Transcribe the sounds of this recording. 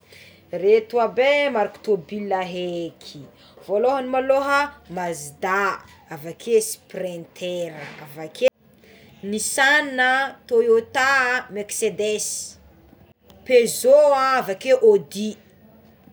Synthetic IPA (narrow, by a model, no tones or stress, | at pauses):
ret̪uabemaɾaku̥t̪obilaɦekʰi | v̥oloɦənimaloɦəmazid̪a | avakʰesi̥prẽnt̪ʰeɾəavake | nisannət̪ojot̪ameksed̪es | pezoãavakeʔod̪i